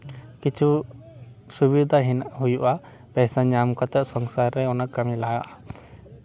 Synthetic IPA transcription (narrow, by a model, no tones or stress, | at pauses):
kit͡ʃʰu | subid̪ʱaɦinaʔɦujuʔa | pɛsaɲamkɔt̪ɛʔsɔŋsaɾːɛɔnaʔkəmilajaʔa